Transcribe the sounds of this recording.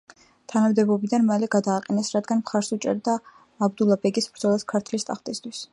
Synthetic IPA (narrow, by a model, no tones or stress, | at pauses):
t̪ʰanamd̪ɛbɔbid̪anmalɛɡad̪aːqʼɛnɛsɾad̪ɡanmχaɾsut͡ʃʼɛ̰ɾd̪aː | bd̪ulˠabɛɡisbɾd̪zɔlˠaskʰaɾt̪ʰlist̪ʼa̰χt̪ʼist̪ʰwis